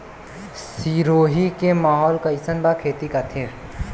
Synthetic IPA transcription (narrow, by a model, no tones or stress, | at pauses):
siɾoːɦikemaːɦɔːlkaɪsənbakʰeːt̪ikat̪ʰeɾ